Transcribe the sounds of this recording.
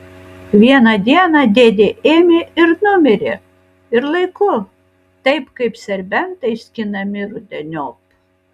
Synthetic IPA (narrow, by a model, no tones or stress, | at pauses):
ʋʲiɛnɐd̪ʲiɛnɐd̪ʲeːd̪ʲeʔemʲeɪɾnʊmʲɪɾʲe | ɪɾlˠɐɪkʊ | t̪ɐɪpkɐɪpsʲɛɾʲbʲɛnt̪ɐɪsʲkʲɪnɐmʲɪɾʊd̪ʲɛnʲoːk